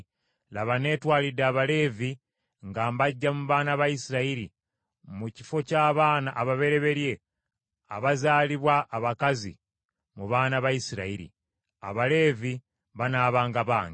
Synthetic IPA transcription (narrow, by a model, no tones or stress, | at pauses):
laβane̞ːtwaːlidaβale̞ːvi | ŋɡaːmbaɟːamuβaːnaβajisiɾaiɾi | muci̥fo̞caːβaːnaʔːβaβe̞ɾe̞βe̞ɾje̞ | a̰βazaːliβwaːβakazḭ | muβaːnaβajisiɾaiɾḭ | a̰βale̞ːvi | βanaːβaːŋɡaβaːŋɡi